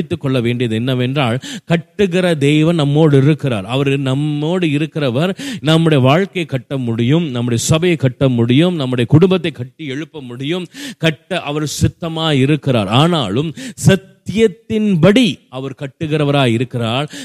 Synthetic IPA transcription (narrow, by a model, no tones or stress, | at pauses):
ɪt̪ːɯkːɔɭːɐʋeːɳɖɪjɐðɯɛnːɐʋɛndraːɭkɐʈːɯɣɪɾɐd̪ɛjʋɐnnɐmːoːɽɯɪɾɯkːɪɾa̰ːɾɐʋɐɾɪnɐmːoːɽɯɪɾɯkːɪrɐʋɐɾnɐmːɯɽɐjɐʋaːɻkɐjɐkːɐʈːɐmʊɽɪjɯmnɐmːʊɽɐjɐsɐbɐjɐɪkːɐʈːɐmʊɽɪjɯmnɐmːɯɽɐjɐkʊɽʊmbɐt̪ːɐɪkːɐʈːiɛɻɯpːɐmʊɽɪjɯmkɐʈːɐʔɐʋɐɾsɪt̪ːɐmaːɪɾɯkːɪra̰ːɾaːnaːlɯmsɐt̪ːjɐt̪ːɪnbɐɽiɐʋɐɾkɐʈːɯɣɪɾɐʋɐɾaːɪɾɯkːɪraːɭ